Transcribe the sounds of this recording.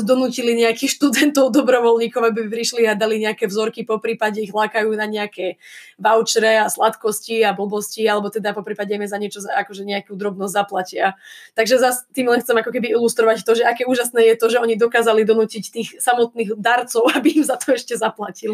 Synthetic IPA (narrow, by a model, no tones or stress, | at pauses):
d̪ɔnuːciliɲɛakixʃt̪ud̪ɛnt̪ɔʊd̪ɔbɾɔʋɔlɲiːkɔʊabipɾiʃliad̪aliɲɛakɛvzɔɾkipɔpɾiːpaɟɛiɣlaːkajuːnaɲɛakɛ | ʋaʊt͡ʃɾɛaslat̪kɔsciabl̩bɔscialɛbɔt̪ɛd̪apɔpɾiːpaɟɛmɛzaɲɪɛt͡ʃɔzaakɔʒɛɲɛakud̪ɾɔbnɔzɟzaplacɪat̪aɡʒɛzast̪iːmlɛnxtt͡sɛmakɔkɛbiilust̪ɾɔʋact̪ɔʒɛakɛuːʒasnɛːjɛt̪ɔʒɛɔɲid̪ɔkaːzalid̪ɔnuːcict̪iːɣsamɔt̪niːɣd̪aɾt͡sɔʊabiimzat̪ɔɛʃcɛzaplacili